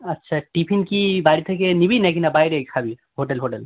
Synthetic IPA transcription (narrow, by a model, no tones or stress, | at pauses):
ɐtːʃʰaʈipʰinkibaɾit̪ʰekenibinɛkinabajɾekʰabi | ɦoʈelɦoʈel